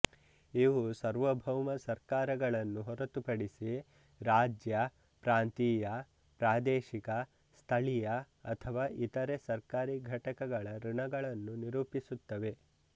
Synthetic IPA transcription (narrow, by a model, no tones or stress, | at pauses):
iʋusɐɾʋɐbʱɐwmɐsɐɾkaːɾɐɡɐɭɐnːuɦɔɾɐt̪upɐɽisi | ɾaːd͡ʒjɐ | pɾaːnt̪iːjɐ | pɾaːd̪ɛːʃikɐ | st̪ʰɐɭijɐ | ɐ̰t̪ʰɐʋaːʔit̪ɐɾesɐɾkaːɾiɡʱɐʈɐkɐɡɐɭɐɾuɳɐɡɐɭɐnːuniɾuːpisut̪ːɐʋe̞